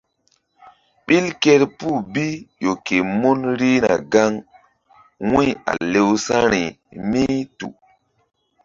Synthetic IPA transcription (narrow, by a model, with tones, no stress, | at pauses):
ɓi˦lke˦ɾpu˦˨bi˦jo˨ke˨mu˦nɾi˦na̰˨ɡa˦ŋ | wũ˦ja̰˨le˦wsa˦ɾi˨ | mi˦tṵ˨